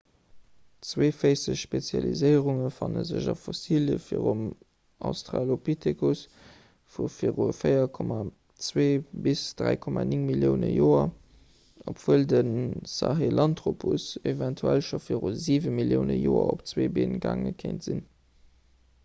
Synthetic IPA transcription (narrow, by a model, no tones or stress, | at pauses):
t͡sweːfəɪsəɕʃpet͡sjɑlizəɪəʁuŋəfɑnə̰zəʑɑfosiljəfḭəʁum | ʔɑʊstʁaːlopʰitʰekus | fufiʁufəɪɐkʰɔma | t͡sweːbisd̥ʁæɪkʰɔmaniŋmiljəʊnəjoːɐ | opv̥uəldənsɑɦelʔɑntʁopʰusevæntʰuælʃofiəʁuziːvəmiljəʊnəjoːɐ̰opt͡sweːbeːnɡaːŋəkʰeɪntz̥in